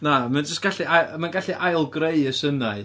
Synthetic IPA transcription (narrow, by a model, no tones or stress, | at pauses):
namand͡ʒəstɡ̥aɬiajmanɡaɬiʔajlˠɡreɨəsənaɨ